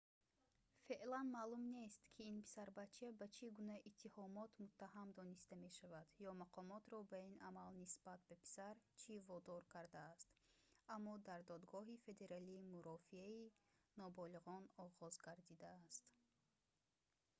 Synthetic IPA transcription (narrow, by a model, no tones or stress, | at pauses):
fe̞ʔlanmalumne̞st̪kʰiːnpʰi̥saɾbat͡ʃʰabat͡ʃʰiɡunaʔit̪ʰːihɔmɔt̪mut̪ʰːahamd̪ɔnist̪ame̞ʃavad̪jɔmaqʰɔmɔt̪ɾɔbainamalnisbat̪̚bapʰi̥saɾt͡ʃʰivɔd̪ɔɾkʰaɾd̪aːst̪amːɔd̪aɾd̪ɔd̪ɡɔɦife̞d̪e̞ɾaliːmuɾɔfiainɔbɔliʁɔnɔʁɔzɡaɾd̪id̪aːst̪